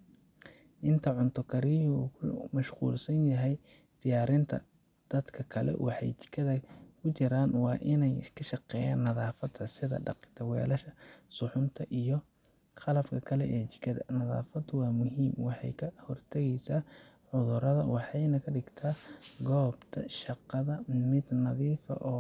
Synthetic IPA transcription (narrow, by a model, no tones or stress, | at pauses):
ʔɪnt̪ʰɐʕʊnt̪ʰɔkʰɐɾɪhuːkʰʊmɐʃqṵːlsɐnjɐɦɛjd̪̥ɪjaːɾɪnt̪ʰɐ̰d̪̥ɐd̪kʰɐkʰɐlɛ̰wʔɑħɑ̰jt͡ʃɪ̥kʰːɐðɐkʰʊt͡ʃɪɾaːnwɑːʔɪnɛjskʰɐʃɑqɛːja̰ːnːɐðaːfɐd̪ʰɐsɪðɐ̰ɖɑ̰qɪ̥t̪ʰɐwɛ̰ːlɐʃɐ̥sʊħʊnt̪ʰɐʔijɔqɑlɐfkʰɐkʰɐlɛʔɛːt͡ʃɪ̥kʰːɐðɐ̰nɐða̰ːfɐd̪wɑːmʊɦiːmwɑħɑ̰jkʰɐhɔrt̪ʰɐɣɛjsaːʕʊðʊɾɐðɐwɑħɑjnɐkʰɐɖɪɡt̪ʰaːɡɔːbt̪ʰɐ̰ʃɑqɑðɐmɪd̪nɐðiːfɐ̰ʔɔː